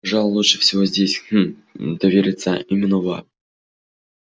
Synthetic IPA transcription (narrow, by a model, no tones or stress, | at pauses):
pɐʐalˠəlˠuʂɨfsʲɪvozʲdʲes̩ʲ | d̪ɐvʲeɾʲɪt̪səimʲɪnːəva̰